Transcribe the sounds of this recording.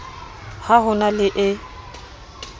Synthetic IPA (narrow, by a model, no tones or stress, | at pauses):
haɦʊnalɪʔɪ